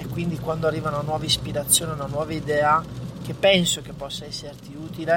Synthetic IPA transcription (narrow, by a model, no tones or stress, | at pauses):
ekːwind̪ikwand̪oarːiːvaunanwɔːvaispiɾat̪sːjoːneunanwɔːvaid̪ɛːak̟epːɛnsok̟epːɔsːaɛsːert̪iuːt̪ile